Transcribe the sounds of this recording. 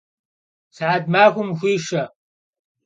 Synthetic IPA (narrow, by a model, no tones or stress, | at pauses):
saːd̚maːxʷʊmxʷiːʂɐ